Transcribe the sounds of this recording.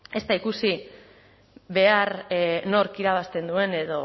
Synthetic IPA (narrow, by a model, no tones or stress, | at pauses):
e̞st̪aikusi | βe̞aɾno̞ɾkiɾaβ̞ast̪e̞nd̪ue̞ne̞ðo̞